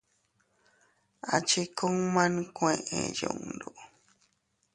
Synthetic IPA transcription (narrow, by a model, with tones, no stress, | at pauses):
a̰˨t͡ʃi˦ko˦ŋmã˦nkwẽ˦˧˨ʔḛ̃˨jo̰˨ŋndu˨